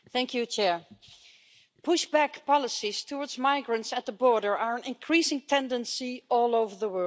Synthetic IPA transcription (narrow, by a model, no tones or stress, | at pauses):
θæ̃ŋkʰjut͡ʃʰɛɹ | pʰʊʃbækpɑlˠəsiz̥tʰəwɔɹdzmaɪɡɹə̃ntsət̪̚ðəbɔɹɾə˞əɹə̃nɪ̃nkʰɹ̥isɪ̃ŋtʰɛ̃ndə̃nsiɔːlˠoʊvə˞ðəwɜ˞